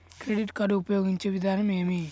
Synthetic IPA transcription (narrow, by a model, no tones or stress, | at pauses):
kɾeɖiʈkɐɖuupɐjoːɡiɲt͡ʃeʋid̪ʱaːnɐmeːmi